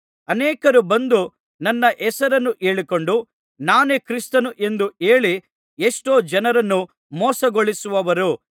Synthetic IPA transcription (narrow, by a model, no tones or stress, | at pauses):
ɐnɛːkɐɾubɐnd̪u | nɐnːɐʔɛsɐɾɐnːuʔe̞ːɭiko̞ɳɖu | naːneːkɾist̪ɐnuʔe̞nd̪uʔe̞ːɭi | eʂʈoːd͡ʒɐnɐɾɐnːu | mɔːsɐɡoɭisuʋɐʋɐɾu